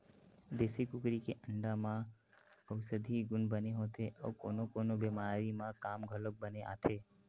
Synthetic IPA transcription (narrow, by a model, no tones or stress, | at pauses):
d̪eːsikʊkɾikeʔə̃ɳɖamã | əwsəd̪ʱiɡʊnbəneɦoːt̪eʔɔ̰ːkoːnokoːnobeːmaːɾimãkaːmɡʱələk̚bəneʔa̰ːt̪ʰeː